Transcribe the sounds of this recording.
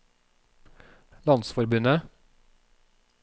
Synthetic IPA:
lɑnsfɔɾbʉnə

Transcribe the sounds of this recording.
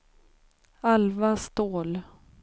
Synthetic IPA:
alvast̪oːl

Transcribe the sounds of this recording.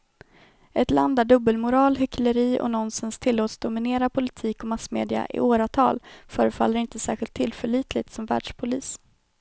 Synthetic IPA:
ʔɛt̪la̰nd̪ːæɖɵbəlmʊɾɑːlɦʏkləɾiːʔɔ̰nɔnsənst̪ʰɪlːoːt̪sd̪ʊmɪneːɾapʰʊlɪt̪ʰiːkɔmasmḛːd̪ɪa̰ʔɪ̰ʔoːɾat̪ʰɑːlfœːɾəfalːəɾɪnt̪əsæːɧɪlt̪ʰːɪlfœɭiːt̪lɪt̪sɔmvæ̰ːɖʂpʰʊliːs

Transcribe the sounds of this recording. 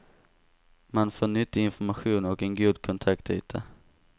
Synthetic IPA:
manfoːɳʏt̪ːɪɪnfɔɾmaɧuːnɔkɛnɡuːd̪kʰɔnt̪ʰakt̪y̰ːt̪ʰa̰

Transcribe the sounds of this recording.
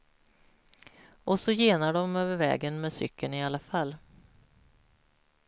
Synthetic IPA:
ʔɔsɔjeːnaɖɔmøːvəɾvɛ̰ːɡənmɛːsʏ̰kːənɪalːafalː

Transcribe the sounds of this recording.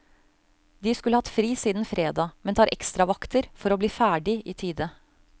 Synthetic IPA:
d̪ɪːskʉlːəhɑt̪fɾiːsiːd̪n̩fɾeːd̪ɑːmɛnt̪ɑːɾʔɛkst̪ɾɑʋɑkt̪əɾfɔɾoːbliːfæːɖɪʔiːt̪ʰiːd̪ə

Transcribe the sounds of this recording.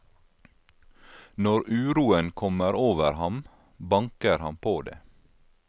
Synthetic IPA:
nɔɾʔʉːɾuːənkʰɔməɾoːʋəɾhɑm | bɑŋkəɾhɑmpʰoːd̪ḛː

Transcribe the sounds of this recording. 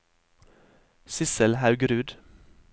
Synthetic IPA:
sɪsəlhɑʉɡɾʉːd̪

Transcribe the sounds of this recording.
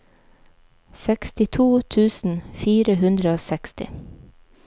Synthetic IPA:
sɛkst̪ɪt̪ʰuːt̪ʰʉːsn̩fiːɾəhʉnd̪ɾəoːsɛkst̪ɪ̰

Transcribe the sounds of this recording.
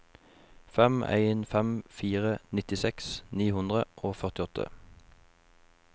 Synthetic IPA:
fɛmæ̰ɪnfɛmfiːʁənɪt̪ɪsɛksniːhʉnd̪ʁəʔoːfœʁt̪ɪɔt̪ʰə̰

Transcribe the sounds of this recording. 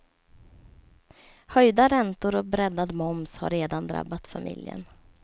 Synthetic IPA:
hœjd̪aɾɛnt̪ʊɾɔk̚bɾɛd̪ad̪mɔmsha̰ɾeːd̪and̪ɾa̰bːat̪famʔɪ̰ljə̰n

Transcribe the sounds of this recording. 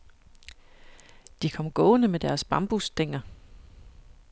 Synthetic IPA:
d̥ikʰɒ̽m̰ɡ̥ɔ̽ːnəmed̥æɐsb̥ɑ̈mb̥usd̥eŋ̰ɐ

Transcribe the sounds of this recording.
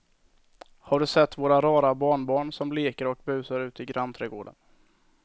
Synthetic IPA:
haɖɵsɛt̪ːvoːɾaɾɑːɾabɑːɳbɑːɳsɔmleːkəɾɔkbʉ̟ːsəɾʉ̟ːt̪ɪɡɾant̪ʰɾɛːɡoːɖə̰n

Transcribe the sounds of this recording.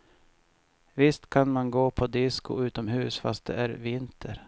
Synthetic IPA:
vɪst̪kʰanmanɡoːpʰɔd̪ɪskʊ̰ʉ̟ːt̪ɔmɦʉ̟ːsfa̰st̪̚d̪ɛ̰æɾvɪnt̪ʰəɾ

